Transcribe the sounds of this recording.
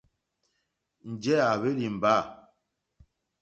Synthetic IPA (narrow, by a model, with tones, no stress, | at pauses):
n̩˨d͡ʒɛ˦a˨βe˦li˨m̩˨ba˦˨